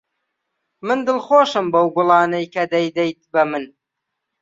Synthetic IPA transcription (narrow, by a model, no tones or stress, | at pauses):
mɨnd̪ɨlˠχoːʃɨmbɐwbʊlˠɑːnɐjkʰɐd̪ɐjd̪ejt̪̚bɐmɨn